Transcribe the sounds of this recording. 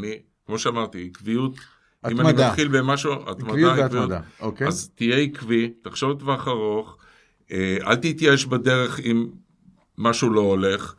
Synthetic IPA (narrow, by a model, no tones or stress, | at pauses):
ni | kmo̞ʃeamaʁt̪iikvijut | ʔimamimχilbemaʃua̰tmaaivijudaokazt̪ije̞ikvitaχʃovt̪vaχaʁo̞χ | ea̰lt̪it̪jaeʃbade̞ʁe̞χimː | aʃulo̞ole̞χ